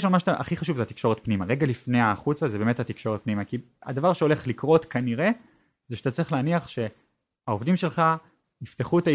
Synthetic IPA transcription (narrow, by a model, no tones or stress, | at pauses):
eʃ̬amaʃtaʔa̰χiχaʃuvzeat̪i̥kʃo̞ʁet̪̚pnimaʁe̞ɡalifne̞aːχut͡sazebeːmethat̪ikʃo̞ʁet̚pnimaki | a̰davaʁʃeo̞le̞χlikʁo̞t̪kaniʁe̞ | zeʃeat̪at͡sʁiχleːniaχʃe̞ | aovdimʃelχa | ift̪eχut̪a